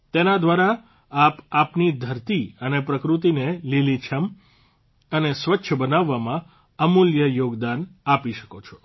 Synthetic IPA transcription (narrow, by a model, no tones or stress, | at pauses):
t̪enad̪ʋaɾa | apapnid̪ʱəɾt̪iənepɾəkɾut̪̬inelilit͡ʃʰəm | ənesʋətːʃʰəbənaʋːamã | əmuljəjoɡd̪anapiʃə̥kot͡ʃʰɔ̥